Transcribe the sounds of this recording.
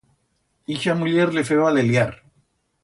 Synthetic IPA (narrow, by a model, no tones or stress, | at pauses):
ixamuʎeɾlefeβaleljaɾ